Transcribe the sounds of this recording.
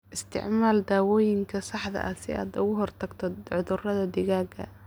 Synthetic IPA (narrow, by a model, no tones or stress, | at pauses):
ʔɪst̪ʰɪ̰ʕmaːld̪aːwɔːjɪŋkʰɐsɑħd̪ɐ̰ʔɐsɪ̰a̰ːd̪ʊɣʊɦɔrt̪ʰɐɡt̪ʰɔʕʊðʊrɐðɐd̪ɪɣaːɡɐ̰